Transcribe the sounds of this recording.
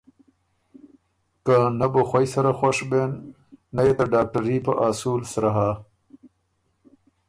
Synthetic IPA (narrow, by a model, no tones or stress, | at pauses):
kanaboxwajsaɾaxaʂbenː | ajet̪aɖaːk̚ʈaɾipaʔaːsuːlsɾaɦa